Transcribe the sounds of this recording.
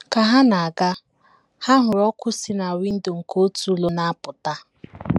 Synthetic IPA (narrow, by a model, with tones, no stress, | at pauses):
ka˨ɦa˦na˨a˨ɡa˦ | ha˦ɦʊ˨ɾɔ˦kʊ˦si˦na˨wi˦n̩˦do˨ŋ̩˨ko˦tu˦lo˦na˦a˦pʊ˨ta˦